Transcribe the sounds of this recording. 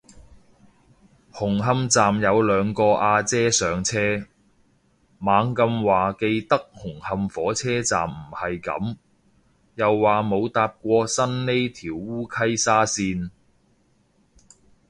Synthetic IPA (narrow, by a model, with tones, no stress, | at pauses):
hʊ˨˩ŋɦɐ˧mt͡saː˨mjɐ˨˧wlœː˨˧ŋkɔː˧ʔaː˧t͡sɛː˥sœː˨˧ŋt͡sʰɛː˥ | maː˨˧˥ŋkɐ˧mwaː˨ke˧jt̪ɐ˥k̚hʊ˨˩ŋhɐ˧mfɔː˨˥t͡sʰɛː˥t͡sa̰ː˨mm̩˨˩hɐ˨jkɐ̰˨˥m | jɐ˨wːaː˨˩mo˨˧wt̪aː˧p̚kʷɔː˧sɐ˥nne˥jt̪ʰiː˨˩wːuː˥kʰɐ˥jsaː˥siː˧n